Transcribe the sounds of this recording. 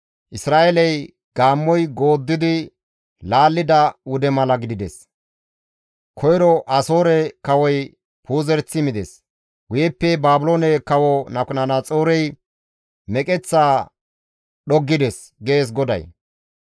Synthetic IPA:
ʔɪsɾaːʔelɛj | ɡ̥aːmːɔjɡo̞ːd̪ːɪd̪ɪ | laːlːɪd̪ɐwʊd̪ɛmɐlɐɡɪd̪ɪd̪ɛs | kʰɔjɾɔʔɐso̞ːɾɛkɐwɔj | pʰuːzɛɾt͡sːɪmɪd̪ɛs | ɡʊjɛpːɛbaːbʊloːnɛkɐwɔnɐkʊnɐnat͡sʼoːɾɛj | mɛkʼɛt͡sːaː | ɗɔɡːɪd̪ɛs | ɡe̞ːs̬ɡɔd̪ɐ̰j

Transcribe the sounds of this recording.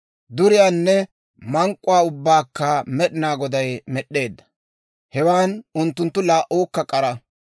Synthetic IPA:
d̪ʊɾɪjaːnːɛ | mɐŋkʼːʊwaːʊbːaːkːɐmɛɗɪnaːɡɔd̪ɐjmɛɗːe̞ːd̪ːɐ̥ | hɛwaːnʊnt̪ːʊnt̪ːʊlaːʔoːkːɐkʼɐɾɐ

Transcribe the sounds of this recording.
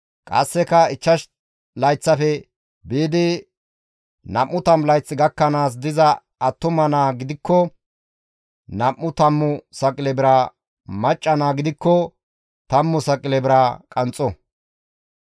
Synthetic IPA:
kʼɐ̰sːɛkɐɪt͡ʃːɐʃ | lɐjt͡sːɐfɛ | biːd̪ɪ | nɐmːʊt̪ɐmlɐjt͡sːɪɡɐkːɐnaːs̬d̪ɪzɐ | ɐt̪ːʊmɐnaːɡɪd̪ɪkːɔ | nɐmːʊt̪ɐmːʊsɐkʼɪlɛbɪɾɐ | mɐt͡ʃʼːɐnaːɡɪd̪ɪkːɔ | t̪ɐmːʊsɐkʼɪlɛbɪɾɐkʼɐnt͡sʼɔ

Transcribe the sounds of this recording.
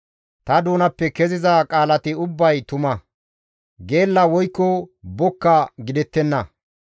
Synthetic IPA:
t̪ɐd̪uːnɐpːɛkɛzɪzɐkʼaːlɐt̪ɪʊbːɐjt̪ʊmɐ | ɡe̞ːlːɐwɔjkːɔbɔkːɐɡɪd̪ɛt̪ːɛnːɐ

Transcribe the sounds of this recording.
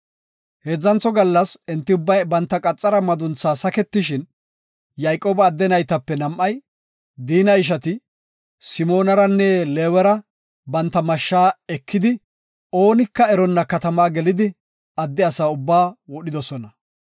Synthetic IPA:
heːd͡zːɐnt͡sːɔɡɐlːɐsɛnt̪ːɪʊbːɐjbɐnt̪ːɐkʼɐt͡sʼːɐɾɐmɐd̪ʊnt͡sːaːsɐkɛt̪ːɪʃɪn | jɐjkʼo̞ːbɐːd̪ːɛnɐjt̪ɐpːɛnɐmʔːɐj | d̪iːnɐɪʃ̬ɐt̪ɪ | sɪmo̞ːnɐɾɐnːɛleːwɛɾɐ | bɐnt̪ːɐmɐʃːaːɛkʰːɪd̪ɪ | o̞ːnɪkːɐɛɾɔnːɐkɐt̪ɐmaːɡɛlɪd̪ɪ | ɐd̪ːɪɐsaːʊbːaːwɔɗɪd̪ɔsɔnɐ

